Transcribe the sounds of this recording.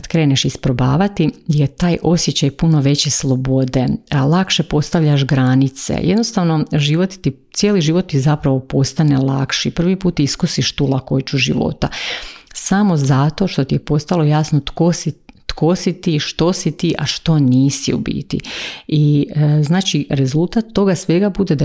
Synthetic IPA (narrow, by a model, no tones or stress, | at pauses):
kad̪kɾe̞ːneʃispɾobaːʋat̪ijet̪aːjʔo̞sjet͡ɕajpuno̞ʋe̞t͡ɕeslˠo̞bo̞d̪elˠakʃe̞po̞st̪aʋʎaʃɡɾanit̪sḛjed̪nost̪aʋno̞ʒiʋo̞t̪t̪it̪sjeliʒiʋo̞t̪ːizapɾaʋo̞po̞st̪anelˠa̰kʃipr̩ʋipuːt̪ːiskusiʃt̪ulˠako̞jt͡ɕuʒḭʋo̞̰t̪a | samo̞zat̪o̞ʃt̪o̞t̪ijepo̞st̪alo̞jasnot̪ko̞sit̪kʰo̞sit̪iʃt̪o̞sit̪iːʔaʃt̪o̞niːsiṵbḭt̪ḭiznaːt͡ʃiɾe̞zulˠt̪at̪ːo̞ɡasʋe̞ɡabud̪ed̪a